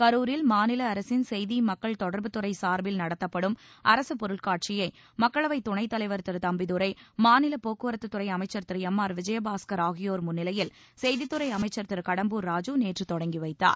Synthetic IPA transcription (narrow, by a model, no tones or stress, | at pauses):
kɐɾuːɾɪlmaːnɪlɐːɾɐsɪnsɛjðimɐkːɐɭt̪ɔɽɐɾbɯt̪ːɯɾɐɪsaːɾbɪlnɐɽɐt̪ːɐpːɐɽɯmʔɐɾɐsɯpɔɾɯɭkaːʈ̚t͡ʃɪjɐɪ | mɐkːɐɭɐʋɐɪt̪ːʊɳɐɪt̪ːɐlɐɪʋɐɾt̪ɪɾt̪ɐmbɪðɯɾɐɪmaːnɪlɐpoːkːɯʋɐɾɐt̪ːɯt̪ːɯɾɐɪɐmɐɪt͡ʃːɐɾt̪ɪɾɛmːaːɾʋɪd͡ʒɐjɐbaːskɐɾaːɣɪjoːɾmʊnːɪlɐjɪl | sɛjðɪt̪ːɯɾɐɪɐmɐɪt͡ʃːɐɾt̪ɪɾkɐɽɐmbuːɾːaːd͡ʒuneːʈrɯt̪ɔɽɐŋɡiʋɐɪt̪ːa̰ːɾ